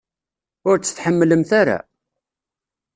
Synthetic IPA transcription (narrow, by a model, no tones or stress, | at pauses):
ʊɾt͡sːə̥θħəmːləmθaɾa̰